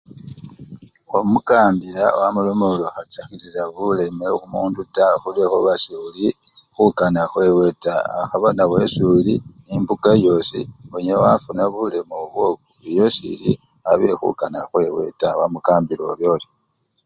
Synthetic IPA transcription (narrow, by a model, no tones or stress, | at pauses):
omukaːmbiɾawamulomoloxat͡saxiliɾaβule̞mexumuːndutaxulexoβasuli | xukanaxwe̞we̞taaxaβanawe̞sulinimbukajo̞sḭoɲewafunaβule̞moβwo̞kuijo̞sḭli | aβe̞xṵkanaxwe̞we̞̰tawamukaːmbiloβjo̞ːli